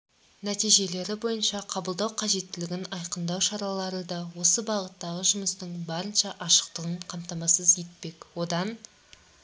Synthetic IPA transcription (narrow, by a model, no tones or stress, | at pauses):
næt̪ijʒe̞le̞ɾɪbo̞jənʃɑqʰɑbəlˠd̪ɑwqʰɑʒe̞t̪ːɪlɪɡʲɪnɑjqənd̪ɑwʃɑɾɑlˠɑɾəd̪ɑwo̞səbɑʁət̪ːɑʁəʒʊməst̪əɴbɑɾənʃɑʔɑʃə̥qt̪əʁəɴqʰɑmt̪ɑmɑsəzet̪̚pe̞kwo̞d̪ɑn